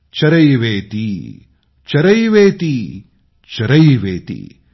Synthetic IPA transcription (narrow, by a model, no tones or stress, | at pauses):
t͡ʃɐɾɐjʋeːt̪i | t͡ʃɐɾɐjʋeːt̪i | t͡ʃɐɾɐjʋḛːt̪ḭ